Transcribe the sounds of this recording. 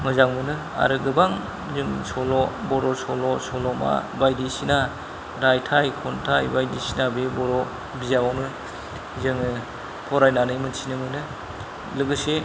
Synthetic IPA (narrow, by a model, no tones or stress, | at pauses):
mɯzaŋmɯnɯ | a̰ɾɯɡɯbaŋ | zɯmsɔlɔbɔɾɔsɔlɔsɔlɔma̰bajdisina | ɾajtʰajkʰɔntʰajbajdisinabebɔɾɔ | bizabanɯ | zɯŋɯ | pʰɔɾajnanɯjmɯnsinɯmɯnɯ | lɯɡɯse